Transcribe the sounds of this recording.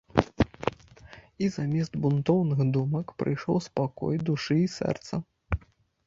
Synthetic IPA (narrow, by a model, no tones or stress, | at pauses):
izamʲɛsd̪bunt̪ɔwnɨxd̪umɐkpɾɨ̰jʂɔ̰wspakɔ̰jd̪uʂɨisɛ̰rt̪sɐ